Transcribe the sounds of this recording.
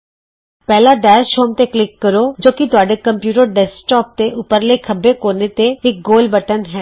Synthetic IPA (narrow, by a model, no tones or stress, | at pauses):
pɛːlaːɖɛːʃoːmt̪eːklɪkːəɾoːd͡ʒoːkɪt̪ʊaːɖeːkəmpjuːʈəɾɖɛːsʈɔːp̚t̪eʔʊpːəɾleːkʰəbekoːneːt̪eɪk̚ɡoːlbəʈənɦɛː